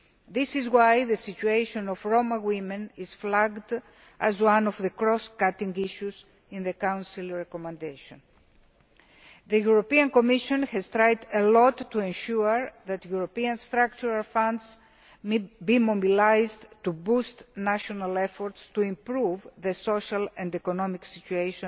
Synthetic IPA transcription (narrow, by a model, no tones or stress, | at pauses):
ðisizwajðesit͡ʃuejʃõnofɹomawimẽnizflaɡd̪ | ʔazwãnovðekɾɔskat̪ĩŋɡiʃuz | ĩnðekãw̃nsilɹekomẽnd̪ejʃõn | ðejuɾopiɐ̃nkomiʃõnhezt̪ɾajd̪elot̪ːuẽnʃuɐɾðɐt̪juɾopiɐ̃nst̪ɾak̚t͡ʃuɾalfãnd̪z | bimobilajzdt̪ubust̪naʃonɐlefoɾt̪st̪uĩmpɾuvðesoʃɐlɐ̃nd̪ekonomiksit͡ʃueʃõ